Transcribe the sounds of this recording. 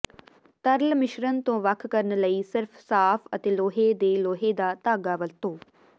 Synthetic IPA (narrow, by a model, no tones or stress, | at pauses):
t̪əɾlmɪʃɾənt̪õːʋəkʰkəɾənləiːsɪɾfʰsaːpʰət̪eːloːɦeːd̪eːloːɦeːd̪aːt̪aːɡaːʋəlt̪õː